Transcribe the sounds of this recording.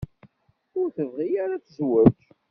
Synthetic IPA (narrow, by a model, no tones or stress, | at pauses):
ʊɾθəvʁijaɾat͡szwæt